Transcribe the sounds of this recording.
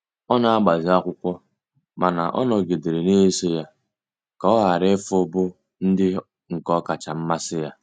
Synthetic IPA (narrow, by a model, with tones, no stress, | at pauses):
ɔ˦na˨a˦ɡ͡ba˨zɪ˨a˦kʷʊ˦kʷɔ˦ | ma˨na˨ʔɔ̰˦nɔ˨ɡe˨de˨ɾe˨ne˦e˦se˦ja˦ | ka˦ɔ˦ɦa˨ɾe˦fo˦bʊ˦ | n̩˦dɪ˦ | ŋ̩˨kɔ˦ka˨t͡ʃa˨m̩˦ma˦sɪ˦ja˦